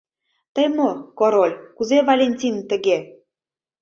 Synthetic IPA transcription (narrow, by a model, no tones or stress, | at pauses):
t̪əjmokoɾolʲkuzevalʲenʲtʲint̪ə̆ɣe